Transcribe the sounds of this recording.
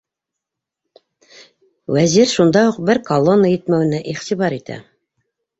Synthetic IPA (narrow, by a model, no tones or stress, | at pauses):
wæziɾʃund̪ɑuq̚bɘɾkɐlˠonːəjɘ̆t̪mæwɘ̆næʔiχt̪iβɑɾit̪æ̰